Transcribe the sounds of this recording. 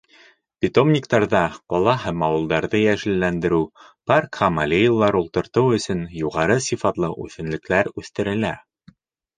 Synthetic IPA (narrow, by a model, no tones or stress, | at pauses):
pʲit̪o̞mnʲikt̪ɑɾðɑqɒlˠɑɦæmɑwɤ̆lˠd̪ɑɾðɤjæʒɘ̆lːænd̪ɘ̆ɾʉpɑrkχɑmalʲejilˠːɑɾulˠt̪ɤ̆ɾt̪ɤwɵ̆sɵnjuʁɑɾɤsʲifɑt̪lˠɤ̰ʔʉ̰θɘ̆nlɘ̆klæɾʉθt̪ɘ̆ɾɘ̆læ